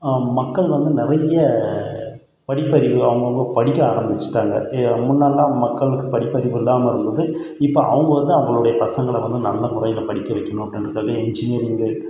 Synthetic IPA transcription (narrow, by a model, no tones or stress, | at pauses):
mɐkːɐɭʋɐnd̪ɯnɪɾɐjɐ | pɐɽɪpːɐɾɪʋɯɐʋɐŋɡɐʋɐpɐɽɪkːɐaːɾɐmbɪt͡ʃːɪ̥ʈːaːŋɡɐ̰mʊnːaːlaːmɐkːɐɭɯkːɯpɐɽɪpːɐɾɪʋɯɪlːaːmɐɪɾɯnd̪ɐðɯ | ɪpːoːʔɐ̰ʋɐŋɡɐʋɐnd̪ɯɐʋɐŋɡɐɭɯɽɐjɐpɐsɐŋɡɐɭɐʋɐnd̪ɯnɐlːɐmʊɾɐjɪlɐpɐɽɪkːɐʋɐɪkːɐɳʊ̃ːɐpːɽɪnɐɾɯkːaːɣɐɛɲd͡ʒɪniɐɾɪŋɡɯ